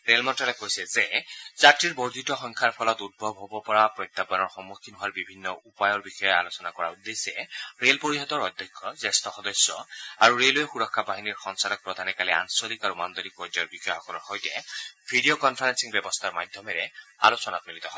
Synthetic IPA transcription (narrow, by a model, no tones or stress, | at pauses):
ɹelmɔntalɛkojsɛzezatɹiɹbɔɹd̪ʱitɔxɔŋkʰaɹpʰɔlɔt̪ud̪̚bʱɔbɦobɔpɔɹapɹɔjt̪ːapanɔɹxɔmːukʰːinɦowaɹbibʱinːɔupajɔɹbixɔjɔa̰losɔnakɔɹa̰ud̪ːesɛɹelpoɹiɦɔt̪ɔɹɔd̪ʱːɔkʰːɔzɛstʰɔxɔd̪ɔsːɔ̰aɹuɹelojexuɹɔkʰːabaɦiniɹxɔŋsalɔk̚pɹɔd̪ʱanɛkalɛa̰nsolikaɹumand̪olik̚pɔzajɔɹbixɔjɔxɔkɔlɔɹxɔjtɛbʱiɖiokɔnpʰaɹensiŋbɛbɔst̪ʰaɹma̰d̪ʱjɔmɛɹɛa̰losɔnatmilit̪ɔɦɔ